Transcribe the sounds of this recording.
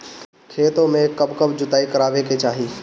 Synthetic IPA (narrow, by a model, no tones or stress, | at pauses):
kʰeːt̪omẽkɐbkəbd͡ʑʊt̪aːikɐɾaːʋeket͡ʃaːɦiː